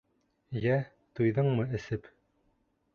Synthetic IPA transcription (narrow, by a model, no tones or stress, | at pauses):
jæ | t̪ujðɤɴmɤɘ̆sɘp